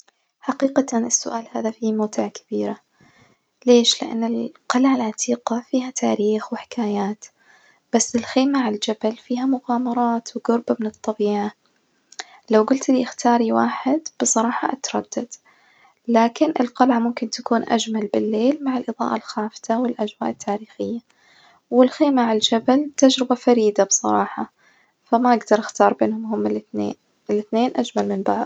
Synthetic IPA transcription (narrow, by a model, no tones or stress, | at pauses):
ħaqiːqaanɪsːʊʔaːlhaːðafimaːt̪ɪʕkḁb̥iːɾa | leːʃlɪʔa̰nːɪlqɑlʕalʕat̪ʰiːqɑfiːɦat̪ʰaːɾiːxwɪħɪ̥kʰaːjaːt̪ | b̥asːɪlxeːmaʕald͡ʒabalfiːɦamʊɣaːmɑɾˤɑːt̪wɪɡʊɾbamɪnɨt̪ˤːɑbiːʕa | lawɡʊlt̪ɪliʔɪxt̪ʰɑːɾˤiwa̰ːħɪd̪b̥ɨsˤɑɾˤɑːħɑʔat̪ɾˤɑd̪̥ːad̪̥ | laːkɪnʔɪ̰lqɑlʕamʊmkɪnt̪akuːnʔa̰d͡ʒmalbɪlːeːlmaʕɪlʔɨðˤɑ̰ːʔalxaːfɪ̥t̪awɪlʔad͡ʒwa̰ːʔɪt̪ʰːaːɾiːxɪjːa | wɪlxeːmaʕald͡ʒabalt̪ad͡ʒɾɪbafaɾiːd̪absˤɑɾˤɑːħɑ | famaʔaɡd̪ɑɾˤʔɪxt̪ɑːɾˤbḛːnhʊmɦʊmːɪlnḛːn | ɪlɪθneːnʔad͡ʒmalmɪnbaʕðˤ